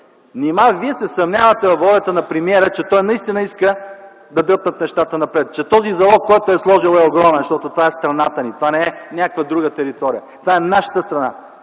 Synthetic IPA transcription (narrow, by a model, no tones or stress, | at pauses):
nimaviɛsɛsɐmnʲavət̪ɛvɐvɔlʲɐt̪ənɐpɾɛmiɛɾət͡ʃɛt̪ɔjnɐist̪inəiskə | d̪ɐd̪ɤp̚nət̪nɛʃt̪at̪ənɐpɾɛt̪̚t͡ʃɛt̪ɔzizɐlˠɔkkːɔjt̪oɛslˠɔʒilˠɛoɡɾɔmɛnʃt̪ɔt̪ot̪ovaɛst̪ɾɐnat̪ənit̪ovanɛɛnʲakəkvəd̪ɾuɡət̪ɛɾit̪ɔɾijət̪ovaɛnaʃə̥t̪əst̪ɾɐna̰